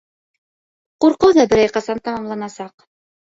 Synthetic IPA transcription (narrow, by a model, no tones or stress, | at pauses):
quɾqɤwðɑbɘ̆ɾæjqɑsɑnt̪ɑmɑmlˠɑnɑsɑq